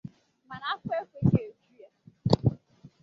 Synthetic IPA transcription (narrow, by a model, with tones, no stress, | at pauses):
ma˨na˨˦a˦ke˦kʷe˦ke˨o˨d͡ʒu˦ja˦